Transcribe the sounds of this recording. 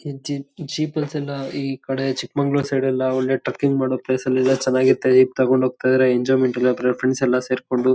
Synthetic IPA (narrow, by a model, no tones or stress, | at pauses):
id͡ʒid͡ʒiːpɐlsɛlːɐiːkɐɽet͡ʃikmɐŋɡɭoːseːɽilːɐoɭːeʈɾɐkːiŋɡmaːɽoːpleːsɐlːɛlːɐt͡ʃɛnːaːɡiɾt̪ːed͡ʒiːp̚t̪ɐkoɳɖʱɦoːɡ̚t̪ajd̪iɾeeɲd͡ʒɔːjmeɳʈɐlːiɐd̪ɾepʰɾeɳsɛlːɐse̞ːɾko̞ɳɖu